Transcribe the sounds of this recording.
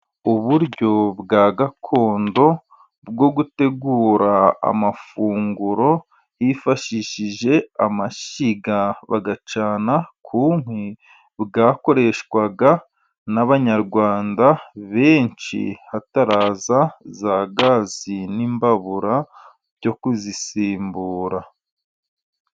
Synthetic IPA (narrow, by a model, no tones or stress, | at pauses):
uβuɾɟo̞bɡaːɡakʰo̞ːndo̞ | bɡo̞ɡute̞ɡuːɾaa̰mafuːŋɡuɾo̞ | ifaʃiʃiʒe̞amaʃiɡaβaɡat͡ʃaːnakʰuŋhwe | βɡaːko̞ɾe̞ʃkwaɡa | naβaɲaɾɡwaːndaβe̞ːnt͡ʃḭhataɾaːzazaɡaziniːmbaβuɾa | ɟo̞kuzisiːmbuːɾa